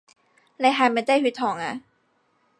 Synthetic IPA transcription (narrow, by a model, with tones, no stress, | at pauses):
la˧˥ɦaː˧˩ma˧˩t̪a˥˩jhi˧˦˥t̪ʰɔː˨˩˦ŋʔa̰˧˩